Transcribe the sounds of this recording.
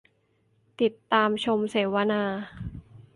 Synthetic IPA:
t̪i˨˩t̪ːaː˧mt͡ɕʰo˧mseː˩˦wa˧naː˧

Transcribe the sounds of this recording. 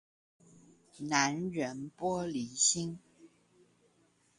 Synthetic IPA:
na˧˦nɻə˧˥npwɔ˥li˧˥ɕi˥ŋ

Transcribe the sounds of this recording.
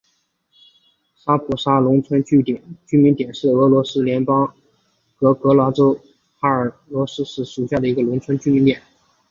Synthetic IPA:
sa˥pʰu˨˩ʂa˥lʊ˧˥ŋt͡sʰwə˥nt͡ɕy˥˩t̪ɛ˨˩nt͡ɕy˥mi˧˥nt̪jɛ˨˩nʂɻ̩˥˩ɤ˧˥lwɔ˧˥sɹ̩˥ljɛ˧˥npɑ˥ŋ | kɤ˧˥kɤ˧˥lwa˧˥ʈ͡ʂo˥ʊ | xa˥ə˞˨˩ | lwɔ˧˥sɹ̩˥ʂɻ̩˥˩ʂu˨˩ɕja˥˩d̪ə˩i˧˥ɡə˧lʊ˧˥ŋt͡sʰwə˥nt͡ɕy˥mi˧˥nt̪jɛ˨˩˦

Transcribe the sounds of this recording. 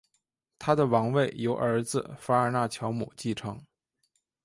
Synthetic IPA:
t̪ʰa˥d̪ə˨wɑ˧˥ŋwe˥˩ɪjo˧˥ʊʔə˞˧˥d͡zɹ̩˧fa˥ə˞˧na˥˩t͡ɕʰjɑ˧˥ʊmṵ˨˩t͡ɕi˥˩ʈ͡ʂʰɤ˧˥ŋ

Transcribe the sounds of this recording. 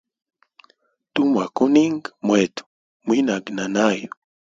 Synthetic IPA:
t̪u˦ma˨ku˦ni˦ŋɡmwet̪u̥ | mwi˦na˨ɡna˨na˦jo

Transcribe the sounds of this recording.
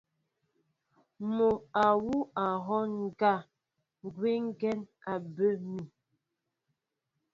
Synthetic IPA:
mo˨a˨wu˦a˨ɦɔ˦ŋ˨ɡa˦˨ | ŋ˨ɡwe˦ŋ̩˦ɡɛ˦na˨bə˦mi˨

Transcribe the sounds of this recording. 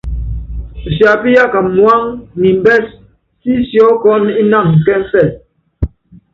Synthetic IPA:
sja˨pi˦ja˦˨ka˨mwa˦ŋni˨m˦bɛ˦s | si˦sjɔ˦kɔ˦ni˦na˦˨ŋ˨kɛ˦m˦fɛ˦˨

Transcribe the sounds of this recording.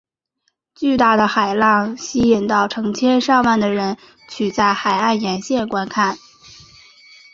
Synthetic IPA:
t͡ɕy˥˧t̪a˥˩d̪ə˩xa˨˩ɪlɑ˥˩ŋɕi˥i˨˩nt̪ɑ˥˩ʊʈ͡ʂʰɤ˧˥ŋt͡ɕʰjɛ˥nʂɑ˥˧ŋwa˥˩nd̪ə˩ɻə˧˥n | t͡ɕʰy˨˩t͡sa˥˩ɪxa˨˩ɪa˥˩njɛ˧˥nɕjɛ˥˩nkwa˥nkʰa˥˩n

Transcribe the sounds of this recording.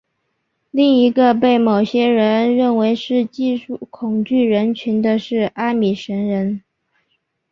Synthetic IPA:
li˥˩ŋi˧˥ɡə˧pe˥˩ɪmo˨˩ʊɕjɛ˥ɻə˧˥nɻə˥˩nwe˧˥ɪʂɻ̩˥˧t͡ɕi˥˧ʂu˥˩kʰʊ˨˩ŋt͡ɕy˥˩ɻə˧˥nt͡ɕʰy˧˥nd̪ə˧ʂɻ̩˥˩a˥mi˨˩ʂə˧˥nɻə˧˥n

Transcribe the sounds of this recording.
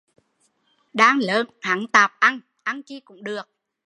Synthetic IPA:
ɗaː˧ŋləː˨˦nha˨˦ŋt̪aː˨˩p̚ʔa˧ŋ | ʔa˧ŋki˧kʊ̰˧˥ŋ͡mɗɨ˨˩ək̚

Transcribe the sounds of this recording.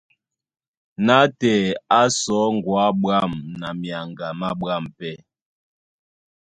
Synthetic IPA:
na˨˦tɛ˨a˦sɔ˨˦ŋ˨ɡwa˨˦ɓwa˦˨mna˨mja˨ŋɡa˨ma˦ɓwa˦˨mpɛ˦˨

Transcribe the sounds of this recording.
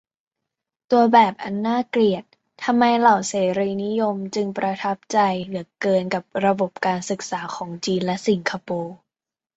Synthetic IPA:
t̪u˧ɐbɛː˨˩p̚ʔa˧nːaː˥˩kli˨˩ət̪̚ʰːa˧mːa˧jla˨˩wseː˩˦ɾiː˧ni˦˥jo˧mt͡ɕɯ˧ŋpɾa˧t̪ʰa˦˥p̚t͡ɕa˧jlɯ˩˦ɐkɤː˧nka˨˩p̚ɾa˧bo˨˩p̚kaː˧nsɯ˨˩k̚saː˩˦kʰɔː˩˦ŋt͡ɕiː˧nlɛ˦˥si˩˦ŋkʰa˧poː˧

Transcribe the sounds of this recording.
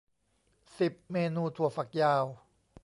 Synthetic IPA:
si˨˩p̚meː˧nuː˧t̪ʰu˨˩ɐfa˨˩k̚jaː˧w

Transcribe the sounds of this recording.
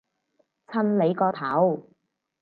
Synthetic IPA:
t͡sʰɐ˥nle˨˧jkɔː˧t̪ʰɐ˨˥w

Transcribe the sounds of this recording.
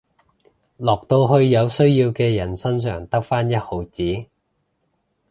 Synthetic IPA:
lɔː˨k̚t̪o˧wɦɵ˧ɥjɐ˨˧wsɵ˥ɥjiː˧wkɛː˧jɐ˨˩nsɐ˥nsœ̰ː˨˩ŋt̪ɐ˥k̚faː˥njɐ˥t̚ho˨˥wt͡siː˨˥

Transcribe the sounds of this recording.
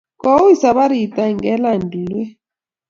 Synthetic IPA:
kɔ˦wi˦sa˨βa˦ɾi˨tʼa˨ŋɡɛ˦la˨ndʱi˨lɛ˦

